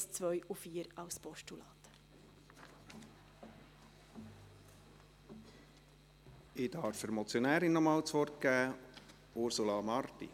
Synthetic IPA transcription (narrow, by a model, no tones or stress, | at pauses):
st͡sʋœjufiːəɾɑwspɔʃtulɑːt̪ | ɪdɑɾfəɾmɔt͡sjɔnæːɾinːɔmɑːwt͡sʋɔrt̚kɡæː | ʊɾsulɑmɑɾt̪ḭ